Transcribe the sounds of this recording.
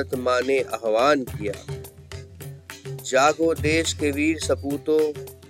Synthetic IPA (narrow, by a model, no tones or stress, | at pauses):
ət̪mãːneʔɐɦʋaːnkija̰ː | d͡ʒaːɡod̪eːʃkeʋiːɾsɐpuːt̪oː